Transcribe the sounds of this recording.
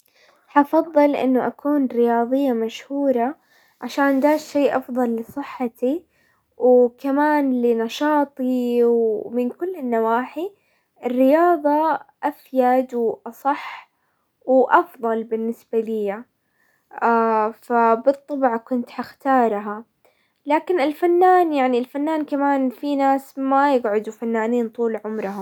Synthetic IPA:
ħɑfɑðˤːɨlʔɪ̰nːʊʔakuːnɾɪjɑːðˤɨjːamaʃhuːɾˤɑ | ʕaʃaːnd̪aːʃʃeːʔɑfðˤɑlːɨsˤɨħːat̪i | wkamaːnlɪnɑʃɑːt̪ˤiwmɪnkʊlːɪnːawaːħi | ɪrːɪjɑːðˤɑʔafjad̪wʔɑsˤɑħ | wʔɑfðˤɑlbɪnːɪsbalɪjːa | afabɨt̪ˤːɑbʕkʊnt̪ħaxt̪ɑːɾˤɦa | laːkɪnɪlfanːaːnjaʕnilfanːaːnkamaːnfinaːsmajɪɡʕʊd̪ufanːaːniːnt̪ˤuːlʕʊmɾˤɑɦʊm

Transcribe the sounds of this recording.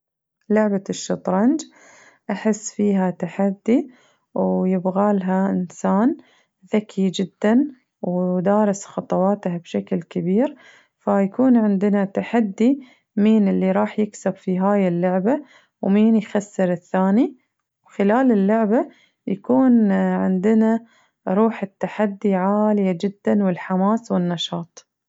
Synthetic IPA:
lʊʕbaʃːɑt̪ˤɾˤɑnd͡ʒ | ʔaħɪsːfiːɦat̪aħad̪ːi | wjɪbɣaːlɦaʔɪnsaːn | ðakʰid͡ʒɪd̪ːan | wd̪ɑːɾˤɪsxɑt̪ˤɑwɑːt̪habʃaklkɪbiːɾ | fajakuːnʕɪnd̪ɪnat̪aħad̪ːi | miːnɪlːiɾˤɑːħjɪksabfiɦaːjɪlːʊʕba | wmiːnjxasːɪɾɪθːaːni | wxɪlaːlɪlːʊʕba | jakuːnʕɪ̰nd̪ɪna | ɾˤuːħɪt̪ːaħad̪ːiʕaːljad͡ʒɪd̪ːanwɪlħamaːswɪnːɑʃɑːt̪ˤ

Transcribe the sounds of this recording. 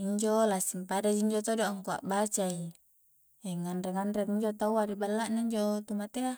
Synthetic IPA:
iɲd͡ʒolasimpadad͡ʒiɲd͡ʒot̪odoŋkua̰ʔbat͡ʃai | eŋanreŋanɾeŋiɲd͡ʒot̪awaɾibalːaʔnaiɲd͡ʒot̪umat̪ea

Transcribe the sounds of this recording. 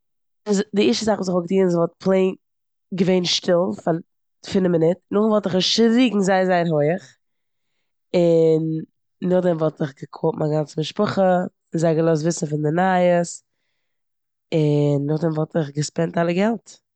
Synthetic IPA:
ɪzdɪiʃəzaχvuːsɪχʊɡ̚tiːnzvɔlˠt̚pʰlˠeɪn | ɡəveɪnʃtɪlˠfa | fɪnəmɪnɪtnʊχvɔlˠtɪχʃɾiːɡŋ̩zaɪzaɪnɦoɪəχ | ɪnː | ʊχdɛmvɔlˠtɪχɡəkʰoːpmaɡant͡səmɪʃpʊχə | ɪnzaɪɡəlˠɔs̬tvɪsn̩fɪndɪnaːjəs | ɪnːʊχdɛmvɔlˠtɪχɡəspɛntalˠəɡɛlˠt

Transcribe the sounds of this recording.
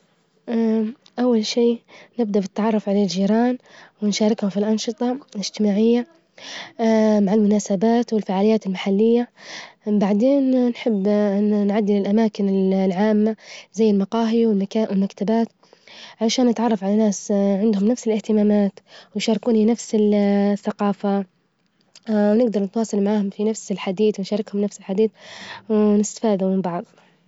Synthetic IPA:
ʔa | ʔawːalʃiːnɪb̚d̪aʔbɪt̪ːaʕɑrˤːʊfʕalald͡ʒiːɾɑːnwɪnʃaːɾˤɪkhʊmfilʔɑnʃɨt̪ˤɑlɪd͡ʒ̥t̪ɪmaːʕɪjːa | maʕalmʊnaːsabaːt̪wɪlfaʕaːlɪjːaːt̪ɪlmaħalːɪjːa | baʕd̪eːnːħɪbːnʕad̪ːɪlɪlʔamaːkɪnɪlʕaːmːazajːɪlmɑqɑːɦiwɪlmwɪlmakt̪abaːt̪ | ʕaʃaːnːɪt̪ʕɑrˤːɑfʕalanaːsʕɪnd̪hʊmnafsɪlɪht̪ɪmaːmaːt̪wɪnʃɑɾˤɪkuːninafsɪlθːaqɑːfa | wnɪɡ̚d̪ɑɾˤnɪt̪wɑːsˤɑlmaʕaːhʊmfinafsɪlħad̪iːθwɪnʃɑːɾˤɪkhʊmnafsɪlħad̪iːθwɪnɪst̪ḁfaːðumɪmbɑʕðˤ

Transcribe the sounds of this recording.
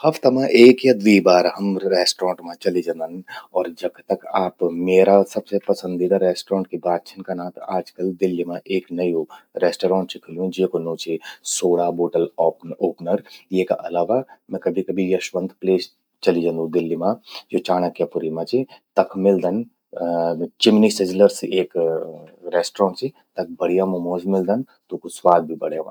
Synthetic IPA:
hɐpʰt̪ɐmãʔeːkjad̪ʋiːbaːɾɦɐmɾeːsʈɾɔ̃ːɳʈmãt͡ʃɐlid͡ʒãnd̪ənɔːɾd͡ʒɐɡt̪ɐkaːpmeːɾasɐbsepɐsə̃nd̪id̪aɾɛːsʈɾɔ̃ːɳʈ̚kibaːt̪̚t͡ʃʰɪnkɐnãːt̪aːd͡ʒkəld̪ɪlːimãʔeːknɐjoɾeːsʈːɾɔ̃ːɳʈt͡ʃʰikʰɪlũd͡ʒeːkonõːt͡ʃʰisoːɽaboːʈəlɔːpoːpnəɾjeːka̰ʔɐlaːʋamɛ̃kɐbʱikɐbʱijɐʃʋə̃nt̪pleːs | t͡ʃɐlid͡ʒãnd̪ũd̪ɪlːimãd͡ʒot͡ʃaːɽ̃akjapʊɾimãt͡ʃʰit̪ɐkʰmɪld̪ən | t͡ʃɪmnisɪd͡ʒləɾsiʔeːk | ɾɛːsʈɾɔ̃ːɳʈt͡ʃʰi | t̪ɐk̚ʰbɐɽ̤ijamomoːzmɪld̪ən | t̪okuswaːd̪̚bʱibɐɽ̤jeʋã̰

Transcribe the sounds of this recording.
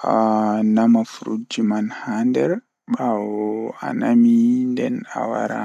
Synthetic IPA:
anamafɾud͡ʒimanhandɛɾ | ɓawɔa̰namindɛna̰wa̰ɾa̰

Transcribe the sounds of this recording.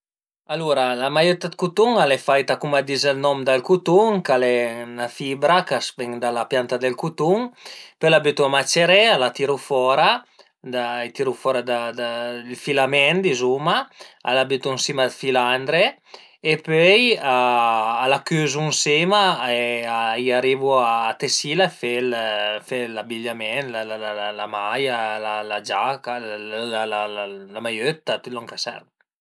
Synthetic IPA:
aluɾalamajet̪ad̪̚kut̪uŋalɛfajt̪akumad̪izalnɔmd̪alkut̪uŋkalɛnafibɾakaspɛŋd̪alapjant̪ad̪elkut̪uŋpøjlabyt̪uamat͡ʃeɾɛalat̪iɾufɔɾa | d̪aajt̪iɾufɔɾad̪ad̪alfilamɛnd̪izumaa̰labyt̪unsimad̪filand̪ɾe | epøjaː | lakyzunsimaeaiaɾivuaːt̪esilafelfelabiʎːamɛnlalalalamajalalad͡ʒakalalalalamajøt̪ːat̪ylɔŋkasɛ̰ɾ

